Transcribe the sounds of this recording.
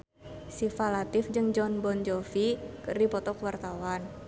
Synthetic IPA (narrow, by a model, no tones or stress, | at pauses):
sifalat̪ɪfd͡ʒɨŋd͡ʒɔnbɔnd͡ʒɔfikɨrdipɔt̪ɔkwart̪awan